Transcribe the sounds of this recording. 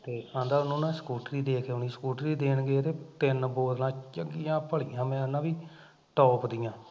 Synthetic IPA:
t̪eːãːnd̪aːʊnʊnãːskuːʈɾiːd̪eːkʰeʊniːskuːʈɾiːd̪eːnɡet̪eːt̪ɪnboːd̪lãːt͡ʃəɡijãːpəɭijãːmɛ̃ːənãːʋiː | ʈɔːpd̪ɪjãː

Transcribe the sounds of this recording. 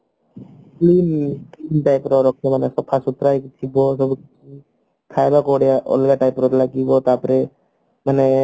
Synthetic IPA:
klimklimʈajpɔɾɔɾɔkʰːjɔmanɛsɔb̚pʰasut̪ɾajkt̪ʰibɔsɔbukiti | k̪ʰajbakɔɽɛjaʔɔ̰lɡaʈajpɾɔtlaɡibɔt̪apɔɾɛ | manɛ

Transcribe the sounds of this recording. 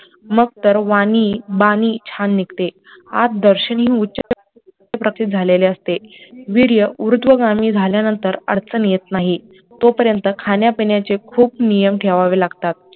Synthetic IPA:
məɡ̚t̪əɾʋaniːbaniːt͡ɕʰanːikt̪e | a̰t̪̚d̪əɾɕənɦĩːutːt͡ɕəe | epɾəkʰɾit̪̚d͡zʱaleleəst̪eʋiɾjəʔuɾut̪ʋəɡamiːd͡zʱaljanənt̪əɾə̰ɽt͡sənjet̪naɦi | t̪opəɾjənt̪əkʰanjapinjat͡sekʰuːp̚nijəmʈʰeʋaʋelaɡt̪at̪̚

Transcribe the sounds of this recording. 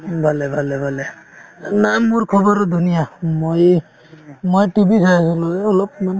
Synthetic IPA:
bʱalɛbʱalɛbʱalɛ | nammːuɹkʰɔbɔɾɔdʱunijamoj | mojtibisʰajsɔlɔɛɔlɔp̚man

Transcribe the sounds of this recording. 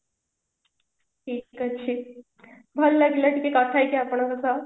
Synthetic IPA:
ʈʰiːikat͡ɕʰi | bʱəlːaɡilaʈʰikekat̪ʰajkeapəɳakəsa

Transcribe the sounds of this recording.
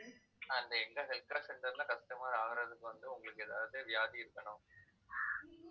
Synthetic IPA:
ɐnd̪ɐɛŋɡɐsɐlkːɐːsɛnɖɐðɯlãːkɐst̪ɐmaːɾaːɣɪɾɐðɯkːɯʋɐnd̪ɯʊŋɡɐɭɯkːɯɛðaːʋɯðeːʋjaːðiɪɾɯkːɐɳʊm

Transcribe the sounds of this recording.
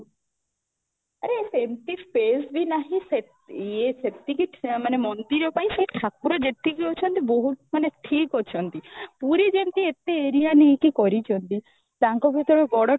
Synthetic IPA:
aɾesemt̪ispesbʱinaɦĩse | esept̪ikiʈmanemɔnd̪iɾɔpaj̃seʈʰak̚puɾɔd͡ʒet̪ikiɦot͡ʃʰɔnt̪iboɦumaneʈʰikot͡ʃʰɔnt̪ipuɾid͡ʒemt̪iet̪eːɾijaniːkikɔɾit͡ʃʰɔnt̪i | t̪aŋkɔbʱit̪ɔɾɔɡɔɽɔ

